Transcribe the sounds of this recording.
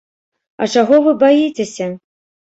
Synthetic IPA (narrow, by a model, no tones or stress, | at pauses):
ɐ̰t͡ʂaɣɔvɨbajit͡sʲesʲɐ